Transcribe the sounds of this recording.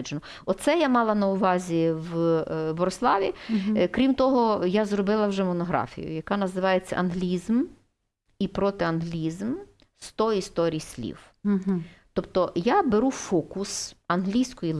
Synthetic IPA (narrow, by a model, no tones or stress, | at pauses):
d͡ʒenɔ | ɔtt̪sɛjamɑlˠɐnɐʊʋɑzʲiwbɔɾɔslˠɑʋʲikɾʲimt̪ɔɦɔjazrɔbɪlˠɐwʒɛmɔnɔɦɾɑ̰fʲḭjʊ̰jɐkɑnɐzɪʋɑjet͡sʲːɐ̰ʔɐnɦlʲizm | ipɾɔt̪ɪɐnɦlʲizm | st̪ɔist̪ɔɾʲijsʲlʲḭw | t̪ɔpt̪ɔjabeɾufɔkʊsɐnɦlʲijsʲkɔji